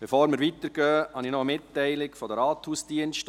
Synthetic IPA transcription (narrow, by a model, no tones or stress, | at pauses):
b̥efoːɾməɾʋit̪əɾɡ̥œːhɑnɪnɔəmɪtːɛɪlɪkfɔdəɾɑːthuːsd̥iənʃt